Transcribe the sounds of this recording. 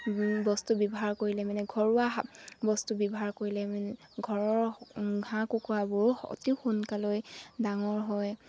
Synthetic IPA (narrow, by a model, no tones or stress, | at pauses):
bɔstubibɔɦaɹkoɹilɛmanɛɡʱɔɹuabɔstubibɔɦaɹkoɹilɛmɛɡʱɔɹɔɹɡʱãkukuabʊɹɔ̰tixunkalojdaŋɔɹɦɔj